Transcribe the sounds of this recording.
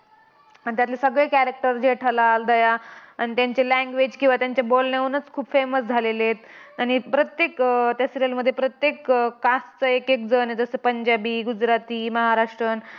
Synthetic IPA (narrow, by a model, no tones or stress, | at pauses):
anit̪jat̪lesəɡɭekæɾek̚ʈəɾd͡ʑeʈʰəlald̪əjaanit̪jaɲt͡ɕelæ̃ŋɡʋed͡ʑkĩw̃ʋat̪jaɲt͡ɕabolneʋənət͡skʰuːbfeməsd͡zʱalelet̪ | añipɾət̪jekt̪jasiɾalməd̪ʱːjepɾət̪jekːast͡səekek̚d͡zəned͡zəsəpəɲd͡ʑabiːɡud͡ʑɾat̪iːməɦaɾaʂʈɾən